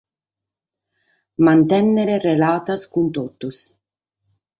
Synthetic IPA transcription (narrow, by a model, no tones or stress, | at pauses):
mant̪ɛnːeɾerelaːt̪askunt̪ot̪us